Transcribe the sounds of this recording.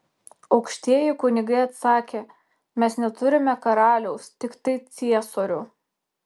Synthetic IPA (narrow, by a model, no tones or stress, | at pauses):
ɒʊkʃʲt̪ʲiɛjɪkʊnʲɪɡɐɪɐt̪sɑːkʲeː | mʲɛsnʲɛt̪ʊɾʲɪmʲɛkɐɾɑːlʲɛʊst̪ʲɪkt̪ɐɪt̪sʲiɛsoːɾʲʊ